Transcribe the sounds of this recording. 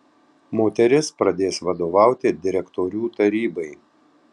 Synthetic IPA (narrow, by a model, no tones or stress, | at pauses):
moːt̪ʲɛɾʲɪspɾɐd̪ʲeːsʋɐd̪oːʋɑˑʊt̪ʲɪd̪ʲɪɾʲɛkt̪ɔɾʲuːt̪ɐɾʲiːbɐɪ